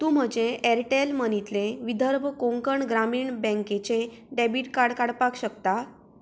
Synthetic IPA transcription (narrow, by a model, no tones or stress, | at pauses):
t̪ũːm̤əd͡ʑẽʔɛɾʈelmənit̪leʋid̪ʱəɾbʱəkõŋkəɳɡɾamiːɳbɛ̃ŋket͡ɕẽ | ɖɛbiʈkaɽkaɽpakɕəkt̪a